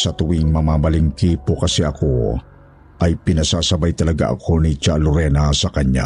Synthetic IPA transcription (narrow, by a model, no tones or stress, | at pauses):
sɐt̪ʊwiŋmɐmaːmɐlɪŋkiːpokɐsɛʔɐko | ʔɐjpɪnɐsaːsɐbajt̪ɐlɐɡa̰ʔɐ̰kʰonit͡ʃalʊɾɛnasɐkɐɲːa̰